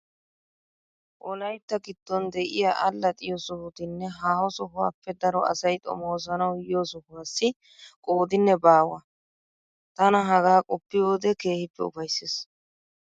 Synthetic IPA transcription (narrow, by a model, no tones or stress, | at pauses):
ʔɔlɐjt̪ːɐɡɪt̪ːɔnd̪ɛʔɪjaʔɐlːɐt̪ʼɪjɔsɔhʊt̪ɪnːɛɦaːhɔsɔɦʊwa̰ːpːɛd̪ɐɾɔɐ̰sɐjt̪ʼɔ̰moːzɐnɐwjɪjoːsɔhʊwaːsːɪ | kʼo̞ːd̪ɪnːɛbaːwɐ | t̪ɐnɐɦɐɡaːkʼɔpːɪjoːd̪ɛke̞ːhɪpːɛ̰ʊ̰fɐjsːeːs